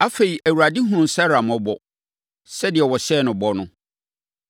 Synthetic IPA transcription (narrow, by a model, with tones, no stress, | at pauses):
a˦fe˨i˨ʔæ˨wu˨a˨di˦ɦʊ̃˨˦ʊ̃˦˨sɛ˦ɾa˨mɔ̃˦bɔ˨ | sɛ˦dɪ˨ɛ˨wɔ˨ɕɛː˦˨nʊ̃˨bɔ˦nʊ̃˦